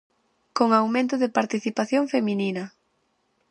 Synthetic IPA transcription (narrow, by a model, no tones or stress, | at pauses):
koŋawmẽnt̪ʊðɪpaɾt̪iθipaθjoŋfemininɐ